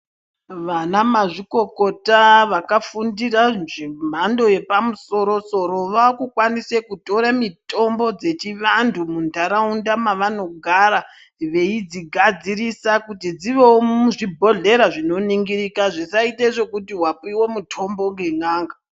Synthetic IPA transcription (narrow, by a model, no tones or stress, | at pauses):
ʋanamaʐiko̞kotaʋakafundiranʐim̤ando̞je̞pamuso̞ɾo̞so̞ɾoʋakukwanise̞kuto̞ɾamitʰo̞mbo̞d͡ze̞t͡ʃiʋandumundʱaɾaundamaʋano̞ɡʱaɾa | ʋe̞id͡ziɡʱad͡ziɾisakutid͡ziʋe̞wouʐibʱo̞ɮe̞ɾaʐino̞niŋɡiɾikaʐisaiteʐe̞kutiwap̚iwo̞mutʰo̞mbo̞ŋɡe̞ŋaːŋɡa